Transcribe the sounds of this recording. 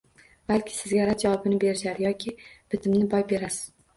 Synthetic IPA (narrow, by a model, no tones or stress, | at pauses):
balkʲʰɪ̥sɪzɡʲaɾad͡ʒawɒbɪnɪbe̞ɾɪʃaɾɪjɒkʲʰɪb̥ɪt̪ʰɪmnɪbɒjbe̞ɾasɪ̥z̥